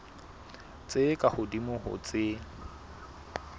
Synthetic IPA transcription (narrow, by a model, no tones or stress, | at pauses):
t͡sʼekʼahʊdimʊɦʊ̰t͡sʼɪ